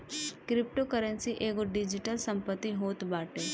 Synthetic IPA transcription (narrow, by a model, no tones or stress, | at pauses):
kɾɪp̚ʈokəɾənsiʔeːɡoɖɪd͡ʒɪʈəlsə̃mpət̪ːiɦoːt̪baːʈeː